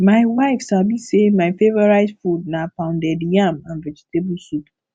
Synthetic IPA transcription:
maɪwaɪfsabisemaɪfevɔɹaɪzfud̚napãʊ̃ndɛdijãmãnvɛd͡ʒitʰebusut

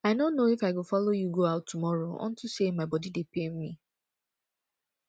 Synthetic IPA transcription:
aɪnonːoifaɪɡofɔlojuɡoaʊtʰːumɔɹoɔ̰̃ntusemaɪbɔdidepemmi

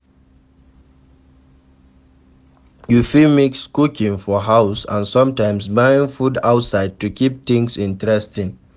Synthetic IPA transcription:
jufilmikskukĩŋfɔɦaʊsə̰̃nsʌ̃mtãɪ̃msbaĩŋfudaʊtsaɪd̚tukip̚θĩŋsĩntɹɛstĩŋ

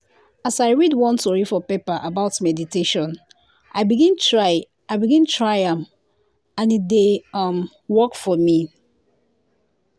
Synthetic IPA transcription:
asaɪɹidwɔ̃ntɔɹifɔpepəʔabaʊtmɛditeʃɔ̃n | ʔaɪbiɡĩntɹaɪ | aɪbiɡĩntʰɹaɪãm | ãnideʌm | wɔkfɔmi

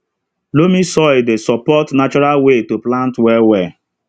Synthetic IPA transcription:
lomisɔɪdesɔpɔtnat͡ʃɔɾalwetoplãntwɛwɛ

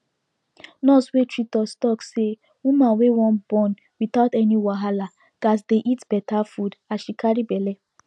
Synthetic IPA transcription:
nɔswetɹitɔstɔkse | wumawewɔ̃nbɔ̃n | wiθaʊtɛniwaɦala | ɡ̥as̬deʔitbɛtʰafudaʃikaɾibɛlɛ

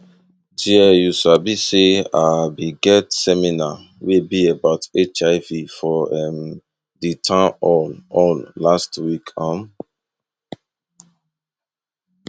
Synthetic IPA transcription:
diɛjuʃabiseabiɡɛtsɛmina | wibiebaʊtet͡ʃaɪvifɔɛm | ditʰãɔnɔ̃nlastwikʰãm

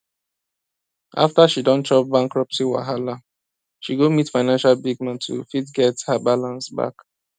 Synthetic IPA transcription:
ʔa̰ftaʃidɔ̃nt͡ʃɔp̚bãŋkɹɔpsiwa̰ɦala | ʃiɡomitfaɪnãnʃalbiɡ̚mãntʰṵfitɡɛthabalãnsba̰k

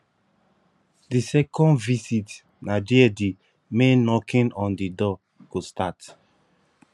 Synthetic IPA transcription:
disɛkʰɔ̃ndvisit | nadiɛdi | mẽnɔkĩnɔ̃ndidɔ | ɡ̥ostat

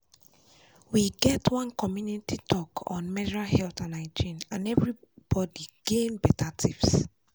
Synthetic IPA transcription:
wiɡɛtwɔ̃nkɔmjunititʰɔkʰɔ̰̃nmɛdɹalhɛltãnaɪd͡ʒĩnãnɛvɹi | b̥ɔdiɡ̥ẽnbɛtʰatʰips

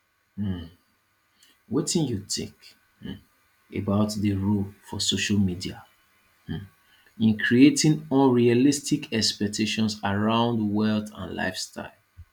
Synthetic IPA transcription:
wetĩnjutɪ̰̃k̩ | ḛbaʊtðəɹolfɔsoʃalmidia | ĩnkʰɹietĩŋɔ̃nɹialistikɛkspɛk̚tʰeʃɔ̃nsaɹãʊ̃ndwɛltã̰nla̰ɪfsta̰ɪlˠ

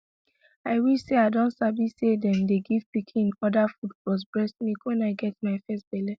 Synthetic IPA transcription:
aɪwiseaɪdɔ̃ntsabisedɛ̃mdeɡiv̥pikʰĩnɔdafudpɔs̬bɹɛsmikwɛ̃naɪɡɛtmaɪfɛst̚b̥ɛlɛ

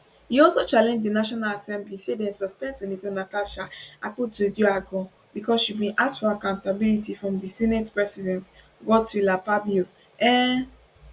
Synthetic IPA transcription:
hiɔlsot͡ʃalɛ̃nd͡ʒdinaʃɔnalasɛ̃mblisedɛ̃nsɔspɛ̃nsɛ̃nitonataʃaʔaputudjoaɡɔ̃ | bikɔsʃibĩnʔastfɔakãʊ̃ntabilitifɹɔ̃mdisɛnetpɹɛsidɛ̃nt | ɡɔtulapabo | ɛ̃

